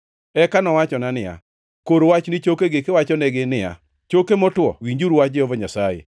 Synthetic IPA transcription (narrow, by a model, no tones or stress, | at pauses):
ɛkanɔwat͡ʃɔnanɪa̰ | koɾwat͡ʃnɪt͡ʃokeɡekɪwat͡ʃɔnɛɡɪnɪa̰ | t͡ʃokemɔtwɔ̰wiɲd͡ʒuɾuwaɪɔvɔɲasajḛ